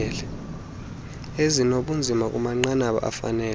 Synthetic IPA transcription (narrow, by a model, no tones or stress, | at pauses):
ɛlɛ | ezinoɓund͡zʱimak̬ʼumaŋ͡ǃanaɓa̰ʔa̰fa̰nɛː